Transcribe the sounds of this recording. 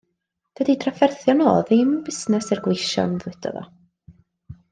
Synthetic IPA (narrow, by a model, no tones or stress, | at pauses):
d̥ədidʰrafɛrθjɔno̰ːðɪmbɪsnɛsɪrɡweʃɔ̰nðɪd̥ɔ̰ðɔ̰